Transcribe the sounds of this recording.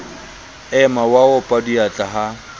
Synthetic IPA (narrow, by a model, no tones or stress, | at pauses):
ɛmawaʊpʼaduat͡ɬʼaɦa